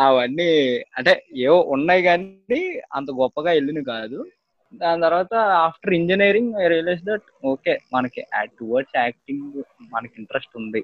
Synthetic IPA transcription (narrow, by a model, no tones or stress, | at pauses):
ɐʋɐnːiɐɳʈe̞ːeːwoʔunːaːjiɡaːniɐ̰nt̪̬ɐɡɔpːɐɡaːe̞lːinukaːd̪u | d̪aːnit̪ɐɾuʋaːt̪ɐaːpʰʈɐɾiɲd͡ʒineːɾiŋɡaɾileːs̬d̪ɐʈ̚ | oːke̞ːmɐnɐkiʔaːʈːuʋɐɾt͡ʃaːk̚ʈiŋɡmɐnɐkiɳʈɐɾesʈund̪i